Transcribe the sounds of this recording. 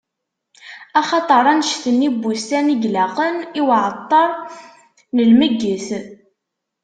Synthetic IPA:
ɑχɑt̪ˤəɾˤænʃθənːibːust̪æniɡlæqəniwʕət̪ˤːɑɾˤ | nəlməɡːəθ

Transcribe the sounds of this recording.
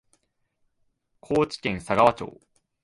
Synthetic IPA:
kʰoːt͡ɕi̥kẽ̞ɰ̃saɡaβat͡ɕo̞̰ː

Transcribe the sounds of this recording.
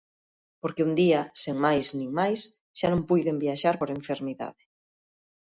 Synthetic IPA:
poɾkeund̪iaseŋmajsnĩŋmajs | ʃanõmpujðembiaʃaɾpoɾeɱfeɾmiða̰ðɪ

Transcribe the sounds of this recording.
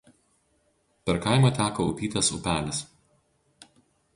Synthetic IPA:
pʲɛɾkɑɪmɐˑt̪ʲæːkoʊpʲiːt̪ɐsʊ̰pʲæːlʲɛs

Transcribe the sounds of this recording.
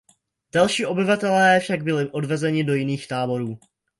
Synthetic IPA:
d̥alʃiːʔo̞bɪvat̪ɛlɛːfʃaɡbɪlɪʔo̞dvɛzɛɲɪdojɪniːxt̪aːbo̞ɾuː

